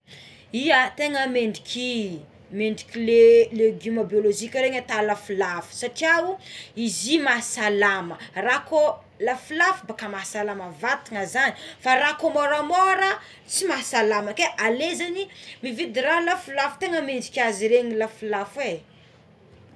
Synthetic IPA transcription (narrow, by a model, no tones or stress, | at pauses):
iət̪eŋəmeɳɖ͡ʐikʲʰi | meɳɖ͡ʐikʲileleɡimobioloʒikʲəɾeɲat̪alafulafu̥saʈ͡ʂiawuizimasalamərako | lafulafubakamasalaməvat̪iŋəzanifarakomoɾamoɾə | t͡simasalaməkeʔalezanimivid̪iralafulafu̥t̪eŋəmeɳɖ͡ʐikʲiaziɾeɲilafulafwe